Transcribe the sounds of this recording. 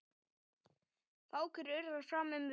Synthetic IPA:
θaːwkʏɾœɥɾðḁfaːmʏm

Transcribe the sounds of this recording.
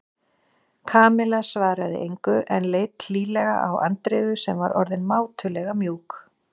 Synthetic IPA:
kʰaːmɪlasvaːɾaðɪ̰ʔejŋkʏʔɛnleːjt̪liːlɛɣa̰ʔa̰wa̰nt̪ɾɪːɣʏsɛmva̰ɾʔɔ̰ɾðɪnmaːwt̪ʰʏlɛɣamjuːk

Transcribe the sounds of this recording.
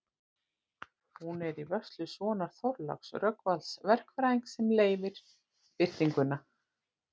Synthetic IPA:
hunɛɾivœst̪lʏsvɔːnaɾ̥θɔɾla̰ksrœkvalsvɛr̥kfɾajŋksɛmleːjvɪɾ̥ | pɪr̥t̪iŋkʏnːa

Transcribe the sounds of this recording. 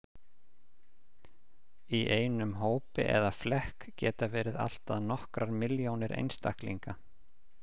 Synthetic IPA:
iʔeːjnʏmɦoːwpɪ̰ʔɛ̰ðaflɛhkcɛːt̪avɛːɾɪða̰l̥t̪aðnɔhkɾaɾmɪljownɪɾʔḛjnst̪a̰hkliŋka

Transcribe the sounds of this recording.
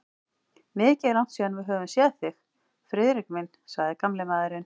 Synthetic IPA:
mɪːcɪlawn̥t̪siːðanvɪðɦœːvʏmsjɛðθɪx | fɾɪðɾɪkmɪnsaɣðɪkamlɪmaːðɪɾɪn

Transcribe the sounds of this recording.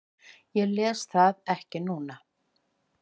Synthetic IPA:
jɛɣlɛːsθaðɛhcɪnuːna

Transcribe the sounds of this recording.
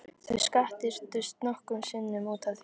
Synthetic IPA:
θœskaht̪ɪɾ̥t̪ʏst̪nɔhkʏmsɪnːʏmuːt̪ʰaθ

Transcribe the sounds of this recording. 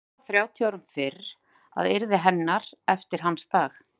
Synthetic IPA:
θɾjaːwt̪ʰjiaːwɾʏmfɪɾ | a̰ðɪɾðɪɦɛnːaɾ̥ɛft̪ɪɾ̥ɦanːst̪aːx

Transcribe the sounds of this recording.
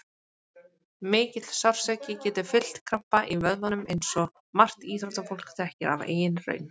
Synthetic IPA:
mɪːcɪt̪l̥sawr̥sɛcɪcɛːt̪ɪfɪl̥t̪kʰɾampaʔivœðvanʏmejnsɔ | mar̥t̪iːθɾɔt̪afowl̥kt̪ʰɛhcɪɾa̰vḛːjɪnrœ̰ːɥn

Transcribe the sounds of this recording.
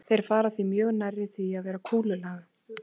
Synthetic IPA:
θejɾ̥faːɾaθvimjœːɣnajrːɪθviaðvɛːɾakʰuːlʏlaːɣa

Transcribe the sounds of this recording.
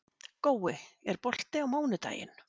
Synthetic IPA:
koːwɪɛɾpɔl̥t̪ɪawmoːwnɪt̪a̰ːjɪ̰n

